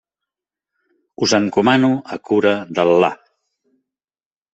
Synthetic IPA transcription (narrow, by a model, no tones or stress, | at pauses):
uzəŋkumanuəkuɾəðəlːa̰